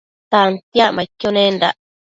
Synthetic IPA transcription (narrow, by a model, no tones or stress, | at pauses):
t̪ant̪jaʔmãkːonẽnɾa̰ʔ